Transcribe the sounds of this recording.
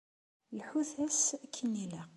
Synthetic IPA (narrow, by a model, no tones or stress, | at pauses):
lħuθæskʰːənːilæ